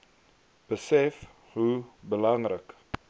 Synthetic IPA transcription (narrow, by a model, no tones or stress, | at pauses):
b̥əsɛf | ɦubəlɐŋrək